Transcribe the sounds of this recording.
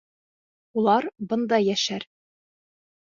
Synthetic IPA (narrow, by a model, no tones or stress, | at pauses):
ulˠɑɾbɤ̆nd̪ɑjæʃæɾ